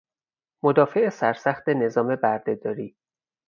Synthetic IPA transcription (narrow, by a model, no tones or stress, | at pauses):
mod̪ɒːfeesæɾsæxt̪ene̞zɒːme̞bæɾd̪ed̪ɒːɾiː